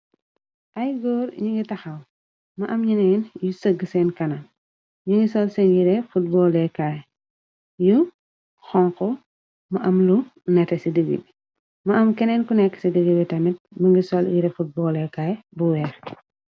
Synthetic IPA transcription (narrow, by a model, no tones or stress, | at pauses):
ʔɐjɡɔːrɲiŋɡitɐxɐw | mɐʔɐmɲinɛnjusəɡːəsɛnkɐnɐ | ɲuŋɡisɔlsɛnjiɾɛfut̚bɔːlɛkaːj | ju | xɔŋkɔ | mɐʔɐmlunɛtɛsidəɡḭbi | mɐɐmkɛnɛnkunɛkːə̥sidəɡibitɐmit̚məŋɡisɔljiɾɛfut̚bɔːlɛkajbuwɛːx